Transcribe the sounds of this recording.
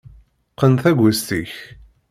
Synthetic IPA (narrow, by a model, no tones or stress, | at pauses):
qənθæɡʷːæst̪iç